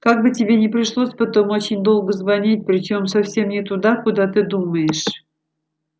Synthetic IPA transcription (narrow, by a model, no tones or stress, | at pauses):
kaɡ̚bɨtʲɪbʲenʲɪpɾʲɪʂlˠosʲpɐt̪o̞mo̞t͡ɕɪnʲd̪olˠɡəzvɐnʲit̚ʲpɾʲɪt͡ɕo̞msɐfsʲe̞mnʲɪt̪ud̪akud̪at̪ɨd̪uməjɪʂ